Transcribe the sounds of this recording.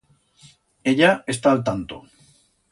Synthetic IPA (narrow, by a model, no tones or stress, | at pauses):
eʎaest̪aːlt̪ant̪o̰